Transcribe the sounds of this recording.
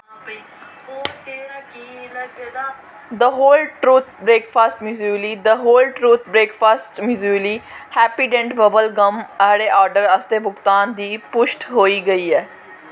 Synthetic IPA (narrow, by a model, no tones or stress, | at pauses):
ki | d̪əɦoːlʈɾuːt̪̚ʰbɾeːkfʰaːsʈmjuːd͡ʒuəliːd̪əɦoːlʈɾuːt̪̚ʰbɾeːkfʰaːsʈmjuːd͡ʒuliːhɛːpiːɖɛ̃ɳʈbəbəlɡəməɦɽeːʔaːɾɖəɾəst̪eːbʊkt̪aːnd̪iːpʊʃʈɦoːiːɡəiːɛː